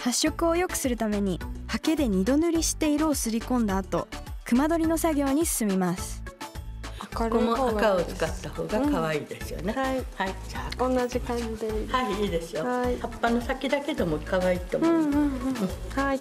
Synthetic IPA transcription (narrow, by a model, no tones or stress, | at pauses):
haɕːo̞kɯ̟o̞jo̞kɯ̟̥sɨɾɯ̟t̪ame̞ɲ̟ihake̞d̪e̞ɲ̟id̪o̞nɯ̟ɾʲiɕi̥t̪e̞iɾo̞ːsɨɾʲikõ̞nd̪aːt̪o̞̰kɯ̟mad̪o̞ɾʲino̞saɡʲo̞ːɲ̟isɨ̥sɨmʲimasɨ̥ | akaɾkonoakaot͡sɨ̥kat̪ːaho̞ːɡakaβaiːd̪e̞sɨjo̰neaihaid͡ʑaːonːad͡ʑikãɲid̪ehaiiːd̪e̞sɨjoaihapːano̞sakʲid̪ake̞d̪o̞mokaβaiːt̪omõɯ̃hai